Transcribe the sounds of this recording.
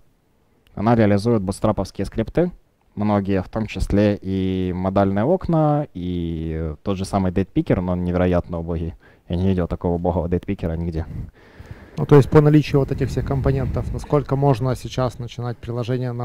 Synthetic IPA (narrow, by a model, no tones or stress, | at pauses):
ɐ̰naɾʲɪəlʲɪzujɪt̪̚bʊt̪st̪ɾapəfskʲɪjəskɾʲɪpt̪ɨ | mno̞ɡʲɪjəft̪o̞mt͡ɕɪsʲlʲeʔimɐd̪alʲnɨjəo̞knəi | t̪o̞d̪ʐɨsamɨjd̪et̪̚pʲikʲɪrnonnʲɪvʲɪɾɐjat̪nəʊboɦʲɪ | janʲɪvʲidʲɪlˠt̪ɐko̞vəʊboɣəvəd̪et̪̚pʲikʲɪɾənʲɪɡdʲe | nut̪o̞ɪsʲt̚ʲpənɐlʲit͡ɕɪjʊvot̪ɛtʲɪxfsʲexkəmpɐnʲe̞nt̪əfnɐsko̞lʲkəmo̞ʐnəsʲɪt͡ɕasnət͡ɕɪnat̚ʲpɾʲɪlˠɐʐɛnʲɪjənɐ